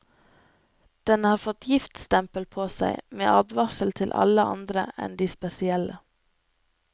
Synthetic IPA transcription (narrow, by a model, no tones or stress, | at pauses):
d̪̥ɛnhɑːɾfɔt̪ʰjɪft̪st̪ɛmpəlpʰoːsæ̰ɪmḛːʔɑːd̪ʋɑsəl̩t̪ʰɪlʔɑ̰ləʔɑ̰nd̪ɾə̰ʔɛ̰nd̪iːspɛsɪɛlə